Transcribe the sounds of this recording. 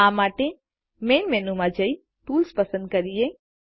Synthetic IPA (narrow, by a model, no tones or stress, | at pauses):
ãmaːʈe | meːnmeːnumãd͡ʒɐi | t̪uːlspəsə̃nd̪̚kɐɾije